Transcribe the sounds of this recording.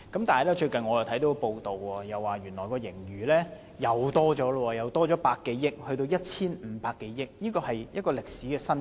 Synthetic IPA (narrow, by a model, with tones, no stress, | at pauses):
kɐ˨˥mt̪aː˨hɐ˨˩jlɛː˥t͡ʃɵ˧ɥkɐ˨nŋɔː˨˧jɐ˨˩t̪ʰt̪o˨˥kɔ˧po˧wt̪o˨wɔː˧jɐ˨wːaː˨ɥyː˨˩nlɔː˨˩jkɔː˧jɪ˨˩ŋjyː˨lɛː˥ | jɐ˨wt̪ɔː˥t͡ʃɔː˨˥lwɔː˧jɐ˨˩wt̪ɔː˥t͡ʃɔː˨˥paː˧kːe˨˥jːɪ˥k̚hɵ˧t̪o˧wjɐ˥t̚t͡sʰiː˥nm̩ː˨˧paː˧kːe˨˥jjɪ˥k̚niː˥kɔː˧hɐ˨jjɐ˥t̚kɔː˧lɪ˨k̚siː˨˥kɛː˧sɐ˥n